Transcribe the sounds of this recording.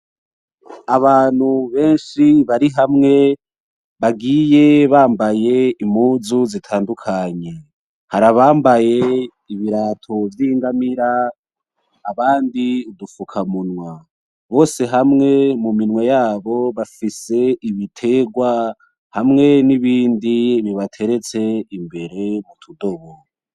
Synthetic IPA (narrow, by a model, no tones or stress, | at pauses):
aβaːn̥huβe̞ːnʃiβaɾiɦamŋe̞ | βaɡiːje̞βaːmbaje̞imuːzuzitʰaːndukʰaɲe̞ | haɾaβaːmbaje̞ | iβiɾatʰo̞vjiːŋɡamiɾa | βaːndiudufukʰamunwa | βo̞ːse̞ɦamŋe̞muminwejaːβo̞βafise̞iβitʰe̞ɡwa | hamŋe̞niβiːndiβiβatʰe̞ɾe̞t͡se̞imbe̞ɾe̞mutʰudo̞βo